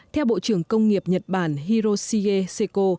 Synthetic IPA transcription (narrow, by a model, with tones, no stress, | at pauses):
t̪ʰɛ˧wɓo̰˧˨t͡ɕɨ˧˩əŋkə˧wŋ͡mŋi˨˩əp̚ɲə˨˩t̚ɓaː˧˩nɦi˧ɾo˧si˧ɣe˧se˧ko˧